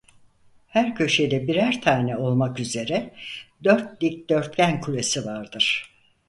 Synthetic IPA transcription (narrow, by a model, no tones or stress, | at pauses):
hæɾcʰø̞ʃe̞jd̪ɛbiɾæɾt̪ʰaːnɛo̞lˠmakyze̞ɾɛd̪ø̞ɾt̪̚lʲic̚d̪̥ø̞ɾt̪̚cænkʰulʲe̞sivaɾd̪ɯɾ̥